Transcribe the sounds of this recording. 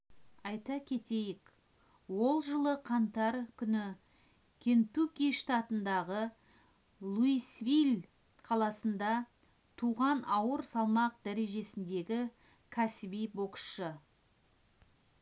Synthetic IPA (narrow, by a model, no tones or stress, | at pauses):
ɑjt̪ɑkʲʰe̞t̪e̞jɪk | wo̞lˠʒəlˠəqʰɑnt̪ɑɾkʲʰʏnɪ | kʲʰe̞nt̪ukʲijʃt̪ɑt̪ənd̪ɑʁə | lˠuisvilʲ | qʰɑlˠɑsənd̪ɑ | t̪ʰuʁɑnɑwəɾsɑlˠmɑq̚d̪æɾe̞ʒe̞sɪnd̪e̞ɡʲɪ | kʲʰæsɪbijbo̞ksʃə